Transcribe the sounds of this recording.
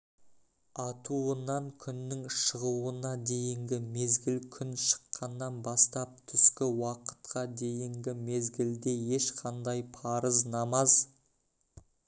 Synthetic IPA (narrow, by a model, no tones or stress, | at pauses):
ɑt̪uənɑŋkʲʰʏnːɪŋʃəʁuwənɑd̪e̞jɪŋɡʲɪme̞zɡʲɪlkʲʰʏnʃə̥qːɑnːɑnbɑst̪ɑp̚t̪ʰʏskʲɪwɑqə̥t̪qɑd̪e̞jɪŋɡʲɪme̞zɡʲɪld̪e̞je̞ʃqʰɑnd̪ɑjpʰɑɾəznɑmɑz